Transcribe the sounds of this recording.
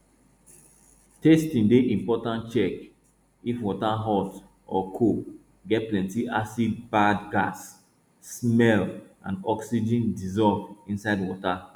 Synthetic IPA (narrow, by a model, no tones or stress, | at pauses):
testĩndeʔĩmpɔtãntt͡ʃɛk | ifwɔtaɦɔt | ɔkʰo | ɡɛt̚plɛ̃ntiʔasid̚badɡasː | mɛl | ã̰ndɔksid͡ʒĩndizɔvĩnsaɪdwɔta